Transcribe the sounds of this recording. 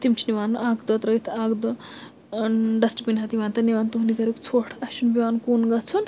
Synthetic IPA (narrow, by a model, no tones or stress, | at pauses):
t̪imt͡ʃʰiniʋaːnʔaːɡd̪ɔt̪ɾəjt̪ʰaːɡd̪ɔ | ɖɐsʈpinɦɐt̪iʋant̪ɐniʋant̪uɦunikɐɾukt͡sʰoʈʰɐʃunbiʋankunɡɐt͡sʰun